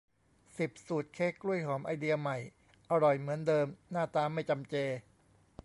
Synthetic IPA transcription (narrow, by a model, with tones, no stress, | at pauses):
si˨˩p̚suː˨˩t̪̚kʰeː˦˥kːɾu˥˩əjɦɔː˩˦mʔa˧jdi˧ɐma˨˩j | ʔa˧ɾɔ˨˩jmɯ˩˦əndɤː˧mnaː˥˩t̪aː˧ma˥˩jt͡ɕa˧mt͡ɕeː˧